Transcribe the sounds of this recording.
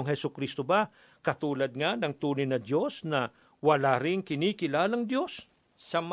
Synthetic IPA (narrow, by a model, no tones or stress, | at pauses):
oŋhɛsʊkɾist̪oba | kɐt̪uːlɐd̪̚ŋanɐŋt̪uːnɪjnɐd̪jo̞snɐ | wɐlaɾɪŋkɪniːkɪlaːlɐŋd̪jo̞sː | ɐm